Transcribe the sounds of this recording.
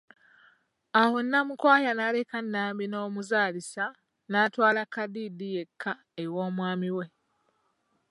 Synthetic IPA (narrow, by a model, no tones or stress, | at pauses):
aho̞nːamukwaːjanale̞kanːaːmbino̞ːmuzaːlisa | naːtwaːlakːadidije̞kʰːa | ewo̞ːmwaːmiwe̞